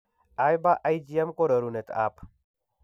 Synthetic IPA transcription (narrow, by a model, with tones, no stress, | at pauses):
a˦jba˦ʔa˦jd͡ʒi˦ɛ˦mko˦ɾɐ˨ɾu˨ne˨t̪a̰˦p